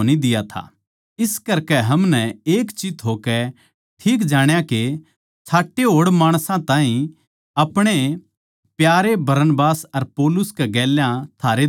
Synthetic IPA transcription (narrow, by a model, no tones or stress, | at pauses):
nid̪ɪjat̪ʰa̰ | ɪskɐɾkɛɦɐmnɛeːkt͡ʃɪt̪ʰɦokɛ | ʈʰiːk̬d͡ʒaːɽ̃jake | t͡ʃʰaːʈːeɦoːɽmaːɽ̃sãt̪ãːɦĩ | ɐpɽ̃e | pjaːɾebɐɾənbaːsɐɾpɔːlʊskeɡɛːljãt̪ʰaːɾe